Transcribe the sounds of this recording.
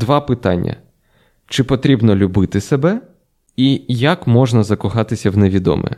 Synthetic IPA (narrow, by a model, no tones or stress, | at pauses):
d̪ʋɑpɪt̪ɑ̰nʲːɐ̰ | t͡ʃɪpɔt̪ɾʲibnɔlʲʊbɪt̪ɪsebɛ | ijakmɔʒnɐzɐkʊxɑt̪ɪsʲɐwneʋʲid̪ɔ̰mɛ̰